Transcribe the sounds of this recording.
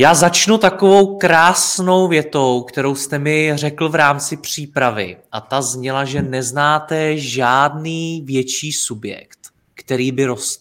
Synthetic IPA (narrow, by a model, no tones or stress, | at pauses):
jaːzat͡ʃnut̪akovo̞wkɾaːsno̞wvjɛt̪o̞wkt̪ɛɾo̞wst̪ɛmɪr̝ɛkl̩vɾaːmt͡sɪpr̝̥iːpɾavɪ̰ʔat̪azɲɛlaʒɛnɛznaːt̪ɛʒaːdniːvjɛt͡ʃiːsubjɛ̰kt̪ | kt̪ɛɾiːbɪɾo̞st̪